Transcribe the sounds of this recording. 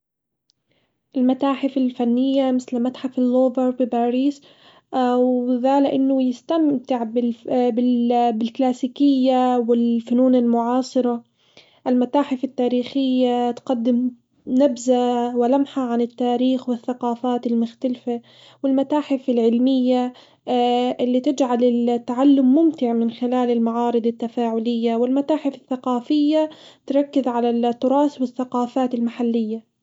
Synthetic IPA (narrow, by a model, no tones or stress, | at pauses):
ʔɪlmat̪aːħɪfɪlfanːɪjːamɪθlmat̪ħafɪlːoːvɑɾˤbɪbaːɾiːs | wðaːlɪʔɪnːʊjɪst̪amt̪ɪʕbɪbɪbɪlklaːsiːkɪjːawɪlfʊnuːnɪlmʊʕɑːsˤɨɾɑ | ʔɪlmat̪aːħɪfɪt̪ːaːɾiːxɪjːat̪qad̪ːɪm | nabzawɪlamħaʕanɪt̪ːaːɾiːxwɪθːaqɑːfaːt̪ɪlmʊxt̪alfa | wɪlmat̪aːħɪfɪlʕɪlmɪjːa | ʔɪlːit̪ɪd͡ʒʕalɪlt̪ːaʕalːʊmːʊmt̪ɪʕmɪnxɪlaːlɪlmaʕɑːɾɨd̪ˤat̪ːafaːʕʊlɪjːawɪlmat̪aːħɪfɪθːaqɑːfɪjːat̪ɾˤɑkːɪzʕalat̪ːʊɾˤɑːswɪθːaqɑːfaːt̪ɪlmaħalːɪjːa